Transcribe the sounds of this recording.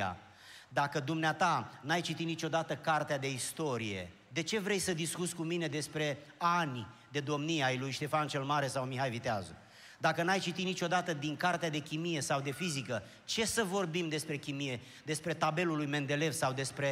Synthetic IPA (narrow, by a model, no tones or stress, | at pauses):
a̰ | d̪akəd̪umneat̪anajt͡ʃit̪it̪nit͡ʃo̞d̪at̪əkart̪ead̪e̞ist̪o̞ɾije̞̰ | d̪e̞t͡ʃe̞vɾe̞jsəd̪iskut̪sʲkumine̞d̪e̞spɾe̞anʲ | d̪e̞d̪o̞mniajlujʃt̪e̞fant͡ʃe̞lmaɾe̞sawmiɦajvit̪ea̰zṵ | d̪akənajt͡ʃit̪it̪nit͡ʃo̞d̪at̪əd̪iŋkart̪ead̪e̞kʲimije̞sawd̪e̞fizikə | t͡ʃe̞səvo̞rbimd̪e̞spɾe̞kʲimije̞ | d̪e̞spɾe̞t̪abe̞lulujme̞nd̪e̞le̞vsawd̪e̞spɾe̞